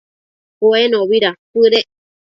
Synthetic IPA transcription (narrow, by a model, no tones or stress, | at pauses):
koenõβiɾapɨɾe